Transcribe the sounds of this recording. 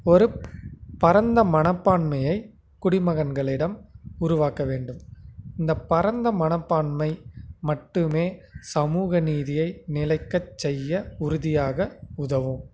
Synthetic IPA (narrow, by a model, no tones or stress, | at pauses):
ɔɾɯpɐɾɐnd̪ɐmɐnɐpːaːɳmɐjɐɪ | kʊɽɪmɐɣɐnɡɐɭɪɽɐmʊɾʊʋaːkɐʋeːɳɖɯmɪnd̪ɐpɐɾɐnd̪ɐmɐnɐpːaːɳmɐɪmɐʈːɯmeːsɐmuːɣɐniːðɪjɐɪnɪlɐɪkːɐt͡ʃːɛjːɐʊɾʊðɪjaːɣɐʊðɐʋɯm